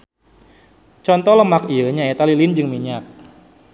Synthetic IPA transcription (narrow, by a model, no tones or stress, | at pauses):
t͡ʃɔnt̪ɔɦləmakiəɲaet̪alilind͡ʒɨŋmiɲak̚